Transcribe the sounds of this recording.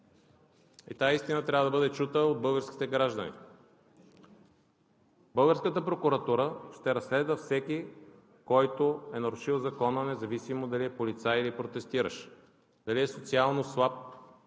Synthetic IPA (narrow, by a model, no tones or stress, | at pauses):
ḭt̪aist̪inət̪ɾʲavəd̪ɐbɤd̪ɛt͡ʃut̪əod̪̚bɤlˠɡəɾskʲi̥t̪ɛɡɾaʒd̪ənḭ | bɤlˠɡəɾskət̪əpɾokʊɾɐt̪uɾəʃt̪ɛɾɐsːlɛd̪vəfsɛkʲi | kɔjt̪oɛnɐɾʊʃilˠzɐkɔnənɛzɐvisimod̪ɐliɛpolit̪sailipɾot̪ɛst̪iɾə̰ʃ | d̪̥ɐliɛsot̪sialˠnoslˠap̚